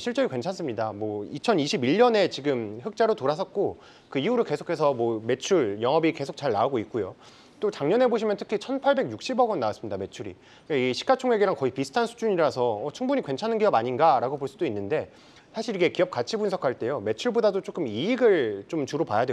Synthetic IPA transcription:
ɕʰiɭt͡ɕ͈ʌɾikwe̞nt͡ɕʰans͈ɯmɲidamwʌit͡ɕʰʌniɕʰibiʎːʌne̞t͡ɕiɡɯmɸɯk̚t͡ɕ͈aɾotoɾas̬ʰʌt̚k͈o | kɯiuɾɯɭke̞sʰokʰe̞s̬ʰʌmwʌme̞t͡ɕʰuɭjʌŋɦʌbike̞sʰok̚t͡ɕaɭnauɡoit̚k͈ujo | t͈ot͡ɕaŋɲʌne̞boɕʰimjʌntʰɯ̥kʰit͡ɕʰʌnpʰaɭbe̞ɡjuk̚ɕ͈ibʌɡʌnːawas͈ɯmɲidame̞t͡ɕʰuɾḭ | eiɡiɕʰi̥k͈at͡ɕʰoŋɦeɡiɾaŋkʌipisʰɯ̥tʰansʰu̥d͡ʑuɲiɾasʰʌːt͡ɕʰuŋbuɲikwe̞nt͡ɕʰanɯnɡijʌbaɲinɡaɾaɡopoɭs͈udoinːɯnde̞ | sʰaɕʰiɾiɡe̞kijʌp̚k͈at͡ɕʰibunsʰʌkʰaɭt͈e̞jome̞t͡ɕʰuɭbodadot͡ɕ͈ok͈ɯmiːɡɯɭt͡ɕomt͡ɕuɾopajadwe

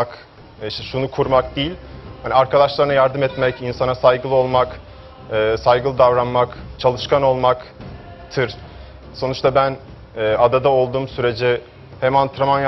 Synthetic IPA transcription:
k | ʃt̪ɛʃunukʰuɾmak̚d̪ijilʲhaniaɾkad̪aʃlˠaɾɯnajaɾd̪ɯmɛt̪mɛcinsanasajɡɯlˠɯo̞lˠmak | ɯːsajɡɯlˠɯd̪avɾanmakt͡ʃʰalˠɯʃkʰano̞lˠmak | t̪ʰɯɾ | so̞nut͡ʃt̪ʰabænː | ad̪ad̪ao̞lˠd̪uːmsyɾe̞d͡ʒɛ | hemant̪ʰɾamanj

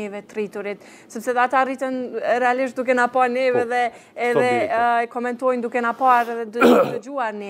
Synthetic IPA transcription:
ɛvɛt̪rit̪uɾit̪ | sɛpsɛðɛat̪arit̪ɛnɾɛaliʃ̬t̪̚d̪ukɛnapaɾnɛvɛðɛː | ðɛɛkɔmɛnt̪ɔjnd̪ukɛnapaɾɛðɛd̪d̪əd͡ʒuaɾnɛ

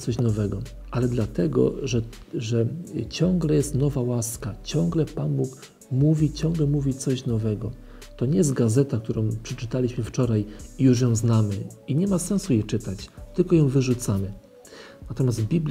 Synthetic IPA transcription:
t̪sɔɕnɔvɛɡɔ | ʔalɛd̪lat̪ɛɡɔ̰ʐɛ | ʐɛt͡ɕɔ̃ŋɡlɛjɛst̪nɔvawaskat͡ɕɔ̃ŋɡlɛpanbuk | muvʲit͡ɕɔ̃ŋɡlɛmuvʲit̪sɔɕnɔvɛɡɔ | t̪ɔɲɛjɛst̪̚ɡazɛt̪ak̚t̪uɾɔ̃w̃pʂɛt͡ʂɘt̪alʲiɕmɘft͡ʂɔɾajijuʐ̬jɔ̃w̃znamɘiɲɛmasɛ̃nsujɛt͡ʂɘt̪at͡ɕt̪ɘlkɔjɔ̃w̃vɘʐut̪samɘ | nat̪ɔmʲjazt̪bʲibl

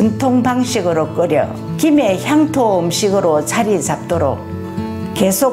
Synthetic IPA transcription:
ɯntʰoŋbaŋɕʰiɡɯɾok͈ɯɾjʌ̰ | kime̞çjaŋtʰoɯmɕʰiɡɯɾot͡ɕʰaɾit͡ɕap̚t͈oɾo̰k̚ | ke̞sʰo

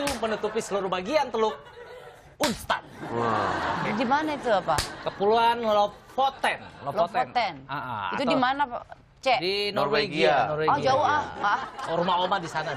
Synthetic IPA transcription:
umənut̪upisəluɾʊhbaɡiant̪əlʊk̚ | unst̪a̰n | dimanait̪uapakəpuluanlɔfot̪ɛnlɔloft̪ont̪ɛnaʔa̰aitt̪utdimana | t͡ʃɛdinɔrweɡianɔrweɔhd͡ʒauɦahmaaɾumaomadisana

